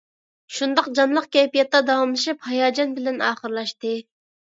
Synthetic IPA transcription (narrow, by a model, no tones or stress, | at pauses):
ʃund̪ɑqd͡ʒɑnlˠəqkʲɛpijɛt̪ːɑd̪ɑwɑmlˠɨʃiphɑjɑːd͡ʒɑnbɪlɛnɑːχəɾlˠɑʃt̪ɨ